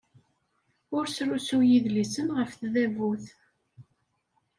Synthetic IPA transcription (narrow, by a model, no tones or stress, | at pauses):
ʊɾsɾusujiðlisənʁəfθðævuθ